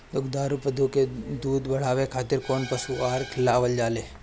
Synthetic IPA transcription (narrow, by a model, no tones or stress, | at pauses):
lʊkd̪aːɾupɐd̪ʱuked̪uːd̪bɐɽ̤aːʋekʰaːt̪ɪɾkoːnpɐsuaːɾkʰɪlːaːʋəld͡ʒaːleː